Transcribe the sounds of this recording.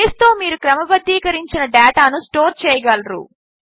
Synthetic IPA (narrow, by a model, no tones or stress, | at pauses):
st̪o̞ːmiːɾukɾɐmɐbɐd̪ːiːkɐɾiɲt͡ʃinɐɖaːʈaːnusʈoːɾt͡ʃɛːjɐɡɐlɾṵ